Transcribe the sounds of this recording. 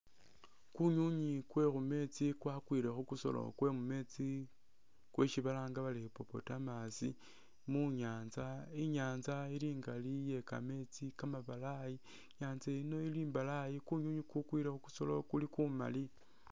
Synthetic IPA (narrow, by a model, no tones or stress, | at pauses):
kuɲuɲikwe̞xume̞t͡sikwakwiɾe̞xukuso̞̰lo̞̰kwe̞mume̞t͡si | kweʃiβalaːŋɡaβalixipo̞po̞̰tamasḭ | muɲaːnzaiɲaːnzailiːŋɡalije̞ka̰me̞t͡sikamaβalaji | ɲaːnzeino̞iliːmbalajikuɲuɲikukwiɾexuku̥so̞lo̞̰kulikuma̰li